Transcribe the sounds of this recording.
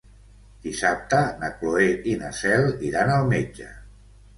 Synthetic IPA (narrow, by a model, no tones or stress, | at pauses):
d̪̥isap̚t̪ənəkloeʔinasɛlˠiɾanəlˠmed͡ʒə̰